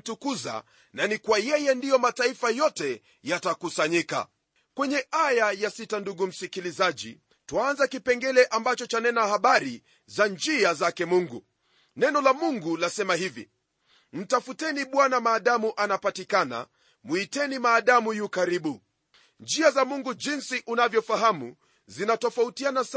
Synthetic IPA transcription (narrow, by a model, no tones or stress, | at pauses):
tukuza̰ | nanikwajɛjɛndijɔmataifajɔtɛ | jatakusaɲika̰ | kwɛɲɛajajasitanduɡum̩sikilizaʄḭ | twaanzakipɛŋɡɛlɛʔambat͡ʃɔt͡ʃanɛnahaɓaɾi | zand͡ʒiazakɛmuŋɡṵ | nɛnɔlamuŋɡulasɛmaɦivḭ | m̩tafutɛniɓwanamaːɗamuʔanapatikana̰ | mwitɛnimaːɗamujukaɾiɓu | nd͡ʒiazamuŋɡud͡ʒinsiʔunavjɔfaɦamu | zinatɔfautianas